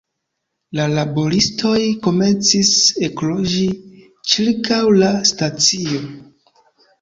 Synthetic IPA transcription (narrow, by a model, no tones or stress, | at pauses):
lalabo̞ɾistʰo̞jko̞me̞nt͡sise̞klo̞ʒi | t͡ʃiɾkʰawlastat͡sio̞